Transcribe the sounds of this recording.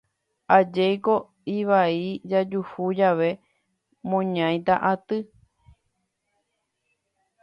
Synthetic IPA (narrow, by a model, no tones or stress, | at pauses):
ad͡ʒejko̞ | iʋaid͡ʒad͡ʒuhud͡ʒaʋe̞ | mõɲãj̃t̪aʔat̪ɨ